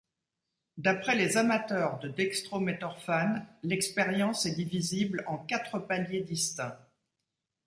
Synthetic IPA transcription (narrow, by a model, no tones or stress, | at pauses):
d̪apχɛlezamat̪œʁd̪əd̪ɛkst̪χomet̪ɔʁfanlɛkspeʁjɑ̃sɛd̪iviziblɑ̃kat̪χəpaljed̪ist̪ɛ̃